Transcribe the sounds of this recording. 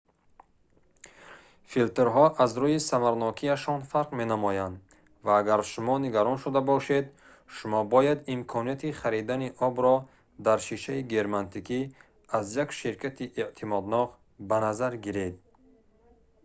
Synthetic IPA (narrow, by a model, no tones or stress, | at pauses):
filt̪eɾɦɔʔazɾuisamaɾnɔkʰiaʃɔnfaɾqme̞namɔjand̪ | vaːɡaɾʃumɔniɡaɾɔnʃud̪abɔʃe̞d̪ | ʃumɔbɔjad̪imkʰɔnijat̪ʰiχaɾid̪aniʔɔbɾɔ | d̪aɾʃiʃaiɡeɾmant̪ʰikʰi | azjakʃiɾkʰat̪ʰiʔeʔt̪ʰimɔd̪nɔq | banazaɾɡiɾed̪̚